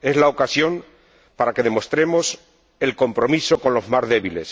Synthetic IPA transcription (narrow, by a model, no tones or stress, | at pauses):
e̞zlaokasjo̞m | paɾake̞ðe̞mo̞st̪ɾe̞mo̞s | e̞lko̞mpɾo̞miso̞ko̞nlo̞zmazðe̞βile̞s